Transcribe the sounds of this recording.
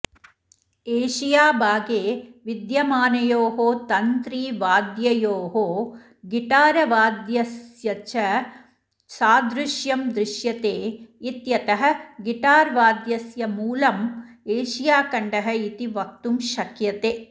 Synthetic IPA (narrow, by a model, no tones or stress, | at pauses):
eːʃijaːbaːɡeːʋid̪jɐmaːnɐjoːɦoːt̪ɐnt̪ɾiːʋaːd̪jɐjoːɦoː | ɡiʈaːɾɐʋaːd̪jɐsjɐt͡ʃɐ | saːd̪ɾɪʃjɐmd̪ɾɪʃjɐt̪eːit̪jɐt̪ɐɦɐ̆ɡiʈaːɾʋaːd̪jɐsjɐmuːlɐmeːʃijaːkɐɳɖɐɦɐit̪iʋɐk̚t̪umʃɐkjɐt̪eː